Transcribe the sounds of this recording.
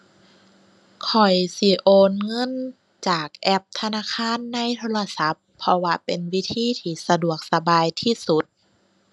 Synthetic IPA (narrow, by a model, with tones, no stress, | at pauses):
kʰɔ˨˩jsi˧˦ʔoː˧nŋɤ˧˥˨n | t͡ɕaː˨˩k̚ʔɛ˧˥p̚t̪ʰa˧naː˧˥˨kʰaː˧˥˨nːa˧˥˨jt̪ʰoː˧˥la˧sa˨˦pʰːɔ˧waː˧pe˨nwi˦˥˨t̪ʰiː˧˥˨t̪ʰiː˧˩sa˧du˨˩ək̚sa˧baː˨˧jt̪ʰiː˧˩˨su˨˦t̪̚